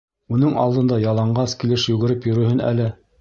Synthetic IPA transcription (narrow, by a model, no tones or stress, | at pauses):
unɤŋɑ̰lˠd̪ɤ̆nd̪ɑjɑlˠɑɴɢɑskilɘʃjʉɡɘ̆ɾɘpjɵ̆ɾɵ̆hɘnæ̰lɘ